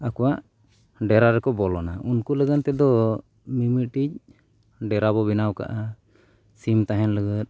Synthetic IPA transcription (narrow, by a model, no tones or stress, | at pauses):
akɔwaʔ | ɖɛɾaɾɛkɔbɔlɔnaunkuləɡənt̪ɛd̪ɔ | mimiʔ̪̚ʈic̚ | ɖɛɾabɔbinawka̰ʔa | simt̪aɦɛnləɡət̪̚ˀ